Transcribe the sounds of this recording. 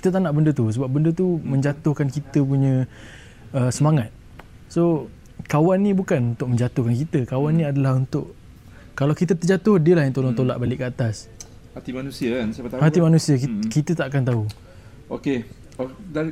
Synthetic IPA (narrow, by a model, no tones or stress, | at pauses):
ki̥t̪ət̪anaʔbəndət̪usəbap̚bəndət̪umə̃ɲd͡ʒat̪ʊhkankit̪əpuɲə̃ | əsəmaŋat̪̚ | so | kawanːĩbukanunt̪ʊk̚mə̃ɲd͡ʒat̪ʊhkankit̪əkawanːĩadalahunt̪ʊʔ | kalawkit̪ət̪ərd͡ʒat̪ʊhdiəlahjaŋt̪olɔŋt̪ola̰ʔbalɪʔkːəat̪as | hat̪imanũsiakansapat̪ahat̪imanusiəkikit̪ət̪aʔkant̪au | oke | oda